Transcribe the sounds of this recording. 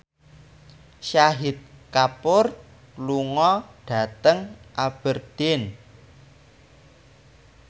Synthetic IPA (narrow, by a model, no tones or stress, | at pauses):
ʃaɦit̪̚kapʊr | luŋɔɖ̥ä̤t̪əŋʔab̥ərd̪̥ɪn